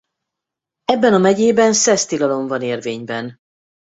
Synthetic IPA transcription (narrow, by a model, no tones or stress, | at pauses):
ɛbːɛnɒmɛɟeːbɛnsɛst̪ilɒlo̞ɱvɒneːrveːɲbɛn